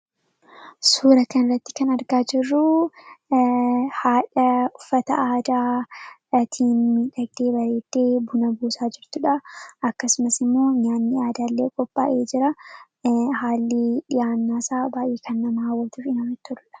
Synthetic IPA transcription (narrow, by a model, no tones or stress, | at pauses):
suːɾɐkɐnɪrːɐt̪ːɪ̥kɐnɐɾɡaːd͡ʒɪrːʊ | haːᶑɐʊfːɐt̪ɐ̰ʔaːd̪aː | t̪ʰiːnmiːᶑɐɡd̪eːbɐɾe̞ːd̪̥ːe̞ːbʊnɐbuːsaːd͡ʒɪɾt̪ʊᶑɐʔɐkːɐsʊmɐsɪmːo̞ːɲaːnːɪaːd̪aːlːeːkʼɔpʼːa̰ːʔeːd͡ʒɪɾɐ | ɦaːlːɪᶑɪjaːnːaːsaːbaːjʔeːkɐnːɐmaːwːɐt̪ufɪnɐmɪt̪ːʊʊlɐ̥